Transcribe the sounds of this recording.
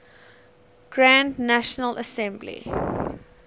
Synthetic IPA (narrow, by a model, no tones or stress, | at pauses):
ɡ̥ɹãndnæʃənələsɛ̃mblḭ